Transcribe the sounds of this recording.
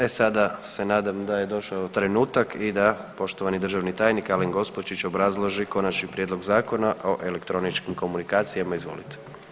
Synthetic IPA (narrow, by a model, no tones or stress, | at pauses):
esad̪ase̞naːd̪amd̪aje̞d̪o̞ʃaot̪ɾe̞nuːt̪akʰid̪a | po̞ʃt̪oʋanid̪r̩ʒaʋnit̪aːjnikaleŋɡo̞spot͡ʃit͡ʃo̞bɾazlˠo̞ʒiko̞nat͡ʃnipɾʲjed̪lo̞ɡzaːko̞naʔo̞ʔe̞lekt̪ɾo̞nit͡ʃkimko̞munikaːt̪sijamaizʋo̞̰lit̪e̥